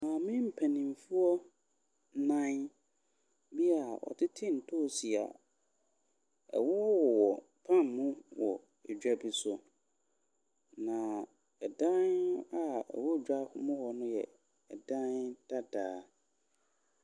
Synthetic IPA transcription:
mãː˨mɪ̃˦m̩˨pʰæ˨nĩ˨m˨fu˦ɔ˦ | nã˦n | bi˦a˨ʔɔ̰˨tʰɪ˦tʰɪ̃˦n̩˨tʰo˦˨si˨a̰˨ | ɛ̰˨wɔ˦wɔ˦wɔ˨wɔ˨ | pʰã˦m˨mʊ̃˦wɔ˨ | ɛ˨d͡ʑᶣa˦bi˨sʊ˨ | nã˨ | ɛ˨dã˦n˦a˦˨ɛ̰˨wɔ˦˨d͡ʑᶣa˦hʊ̰˦mʊ̃˦hɔ˨nʊ̃˦jɛ˨ | ɛ˨dã˦nd̥a˦daː˨˦

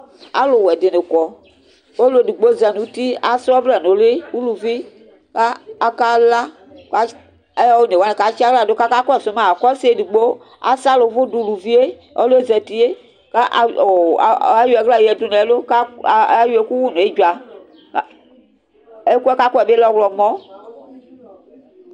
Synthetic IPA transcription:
a̰˦lo˨wɛ˨de˨ne˨kɔ˨ | o˦lo˦˨di˨ɡ͡bo˦zɛ˨nũ˨˦t̪i˦a˨sɔ˦vlɛ˨no˨le˦wu˦lu˨vi˦ | kaː˦˨ka˦la˦ | ka˨˦ | e˦ja˦wo˦ne˨wa˦ne˨ka˨t͡ʃi˦a˦ɡla˨do˦ka˦ka˦kso˦mã˨a˨kɔ˦se˨˦di˨ɡ͡bo˦ | a̰˨sa˦lo˨˦vo˦du˨lu˨vi˦e˦ | o̰˦lo˦e˦zɛ˨ti˦e˦ | ka˦ʔo˨a˦ju˦ɛ˨ɡla˦˨ji˨ɛ˨˦tu˦nɛ˨˦lo˦ka˦˨a˦ju˦e˦ku˦wu˦˨nũ˨e˦d͡ʒu˨a˨˦˨ | e˦kɛ˦ka˦ko˦ɛ˨be˦lɔ˦wlɔ˨mɔ̃˦

